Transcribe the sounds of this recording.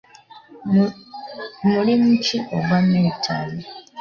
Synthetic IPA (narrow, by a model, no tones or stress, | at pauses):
mulimuciʔo̰ɡanːeitʰa̰li